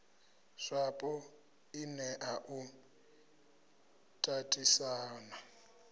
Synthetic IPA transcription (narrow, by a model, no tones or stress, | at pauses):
ʂapʼɔ | inɛʔaʔu | tʼatʼisaːna